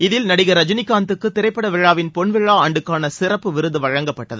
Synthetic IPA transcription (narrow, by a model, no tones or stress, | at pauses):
ɪðɪlnɐɽɪɣɐɾɐd͡ʒɐnɪkːaːnt̪ɯkːɯt̪ːɪɾɐɪpːɐɽɐʋɪɻːaːʋɪnpɔɳʋɪɻːaːaːɳɖɯkːaːnɐsɪrɐpːɯʋɪɾɯðɯʋɐɻɐŋɡɐpːɐʈːɐðɯ